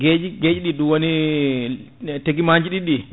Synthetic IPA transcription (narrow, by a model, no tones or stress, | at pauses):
ɡed͡ʒiɡed͡ʒiɗiɗuwoni | teɡimaɲd͡ʒiɗiɗi